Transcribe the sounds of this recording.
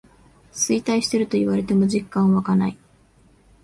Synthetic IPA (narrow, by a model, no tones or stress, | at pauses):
sɨit̪aiɕi̥t̪e̞ɾɯ̟t̪o̞iβaɾe̞t̪e̞mo̞ʑikːãɰ̃βakanai